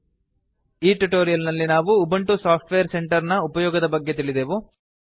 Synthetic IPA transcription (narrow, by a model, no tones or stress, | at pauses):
iːʈuʈoːɾijɐlnɐlːinaːʋuːbɐɳʈusaːpʰʈʋejɐɾse̞ɳʈɐɾnɐupɐjɔːɡɐd̪ɐbɐɡːet̪̬iɭid̪eːʋu